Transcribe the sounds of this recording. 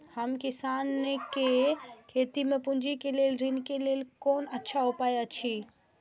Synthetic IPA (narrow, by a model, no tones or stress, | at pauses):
həmkɪsaːnekekʰeːt̪imẽpʊnd͡ʒikeleːlɾinkeleːlkoːnətːʃʰaɦupaːjat͡ʃʰi